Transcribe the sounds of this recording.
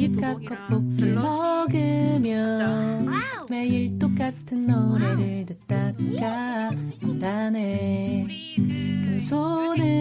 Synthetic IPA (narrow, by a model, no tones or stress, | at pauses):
ip̚k͈ak͈ʌp͈ok̚k͈emʌɡɯmjʌ | me̞iɭt͈ok͈atʰɯnːoɾeɾɯɭdɯt͈aɡapadane | kɯsʰonɯ